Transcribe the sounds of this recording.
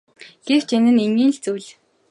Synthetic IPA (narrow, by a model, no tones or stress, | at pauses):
ɡ̥ew̥t͡ɕʰenɘ̆neŋɡʲiːnɬt͡suːɮ